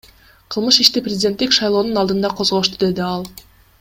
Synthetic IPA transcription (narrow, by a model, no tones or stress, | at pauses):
qʰɯlˠmɯʃiʃt̪iprʲɪzʲdʲe̞nt̪ːikʃɑjlˠo̞ːnunɑlˠd̪ɯnd̪ɑqʰo̞zʁo̞ʃt̪ud̪e̞d̪iɑlˠ